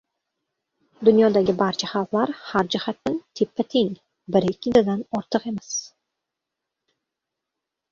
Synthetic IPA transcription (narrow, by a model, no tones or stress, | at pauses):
d̪ʊnjɒd̪aɡʲɪbaɾt͡ʃʰaχɑlˠqlˠaɾhaɾd͡ʒahat̪ːɪnt̪ʰepːat̪ʰeŋ | bɪɾɪkʲːɪd̪ad̪anɒɾt̪ʰɨqe̞mɪs